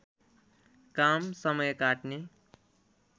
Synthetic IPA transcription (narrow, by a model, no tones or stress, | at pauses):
kamsʌmʌjkaʈne